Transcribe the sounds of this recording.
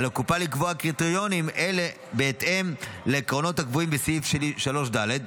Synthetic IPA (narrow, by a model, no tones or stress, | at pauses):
lakupalikvoakʁit̪eʁjo̞nimʔe̞le̞ | be̞ːt̪ʔe̞mleːkʁo̞no̞thakvuimbesifʃeliʃalo̞ʃd̪ale̞d̪